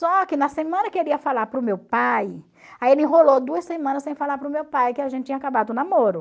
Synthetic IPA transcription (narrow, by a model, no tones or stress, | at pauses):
sɔkɪnɐsemɐ̃nɐkeɾiɐfalaɾpɾʊmewpaj | aielɪ̃ɦolod̪uɐssemɐ̃nɐsẽj̃falaɾpɾʊmewpajkɪaʒẽt̪ɪt͡ʃĩɲakabad̪ʊnamoɾʊ